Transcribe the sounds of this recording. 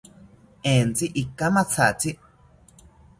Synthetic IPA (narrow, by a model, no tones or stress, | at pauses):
ẽnt͡siʔikːamãt͡sʰat͡si